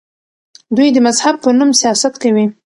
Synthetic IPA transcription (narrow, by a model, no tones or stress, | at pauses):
d̪ujd̪əmazhab̚pənumsijɑsat̪kawi